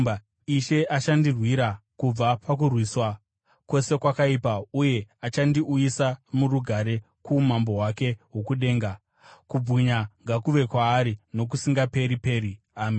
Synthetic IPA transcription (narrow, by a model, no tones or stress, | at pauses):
a | iʃe̞ʔaʃandirwiɾakub͡vapak̬urwiːswa | kwo̞se̞kwakaipauje̞at͡ʃandiʔujisamuɾuɡʱaɾe̞ | kumambo̞ɦwake̞ɦo̞kuɗe̞ːŋɡa | kub͡viɲaŋɡakuʋe̞kwaːɾino̞k̬usiŋɡape̞ɾipe̞ːɾi | aːm